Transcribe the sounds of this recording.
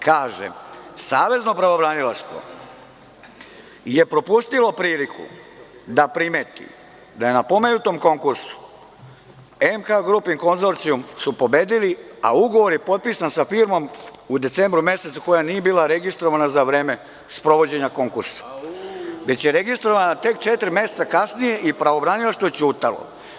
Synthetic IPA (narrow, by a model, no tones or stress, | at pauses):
kaːʒḛsaːʋe̞zno̞pɾaʋo̞bɾanilaʃt̪ʋo̞̰ | je̞pɾo̞pust̪ilo̞pɾiːlikṵ | d̪apɾime̞ːt̪ḭ | d̪ajenapo̞me̞jut̪o̞mko̞ŋkuɾsu̥ | emkaɡɾupiŋko̞nzo̞ɾt̪sijumsupo̞be̞ːd̪ilia̰uɡo̞ʋo̞ɾje̞po̞t̪̚piːsansafiːɾmo̞mud̪e̞t̪sembɾumje̞se̞t̪suko̞janije̞biːlˠaɾe̞ɡist̪ɾo̞ʋanazaʋɾe̞ːme̞ | spɾo̞ʋo̞d͡ʑe̞ɲako̞ŋkuɾsḁ | ʋet͡ɕjeɾe̞ɡist̪ɾo̞ʋanat̪e̞k̚t͡ʃe̞t̪ɾime̞set̪akasnije̞ʔipɾaʋo̞bɾanilaʃt̪ojet͡ɕuːt̪alo̰